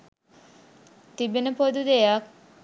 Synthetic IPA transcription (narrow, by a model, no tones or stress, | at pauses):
t̪ibenəpod̪ud̪ejak̚